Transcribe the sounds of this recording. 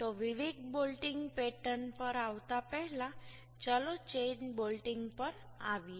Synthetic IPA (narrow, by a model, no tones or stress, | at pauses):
t̪ɔʋiʋiɡ̪bolʈiŋɡpeʈənpəɾaʋt̪apəɦla | t͡ɕəlot͡ɕenbolʈiŋɡpəɾ | a̰ʋi